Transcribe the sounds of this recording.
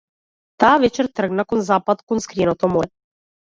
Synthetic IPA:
t̪avɛt͡ʃɛɾt̪r̩ɡnakonzapad̪konskɾijɛnot̪ɔmɔjɛ

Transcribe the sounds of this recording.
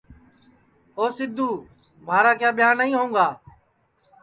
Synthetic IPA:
oːsɪd̪ʱːuː | maːɾaːkjaːɓɪjaːnːəĩːɦũːŋɡaː

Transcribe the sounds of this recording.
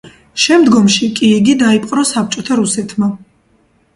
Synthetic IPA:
ʃɛmd̪ɡɔmʃikʼiːɡid̪aipʼqʼɾɔsap̚t͡ʃʼɔt̪ʰaɾusɛt̪ʰma

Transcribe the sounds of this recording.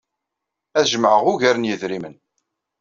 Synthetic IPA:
æðʒəmʕəʁʊʝæɾənjəðɾimən

